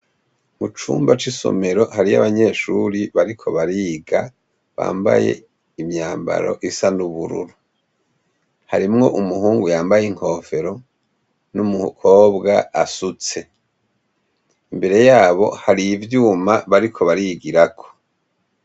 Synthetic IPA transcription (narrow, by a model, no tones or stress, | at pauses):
mut͡ʃṵːmbat͡ʃiso̰me̞ɾo̞haɾia̰βaɲe̞ːʃuɾiβaɾikʰo̞βaɾiːɡa | βa̰ːmba̰je̞̰ | imɲaːmba̰ɾo̞̰ʔisanuβuɾṵɾu | haɾimŋo̞ʔumuhuːŋɡujaːmbajiŋ̥ho̞ːfe̞ɾo̞ | numukʰo̞ːbɡaasut͡se̞ | imbe̞ɾe̞jaːβo̞̰haɾivjuːmaβaɾikʰo̞βaɾiɡiɾakʰo̞̥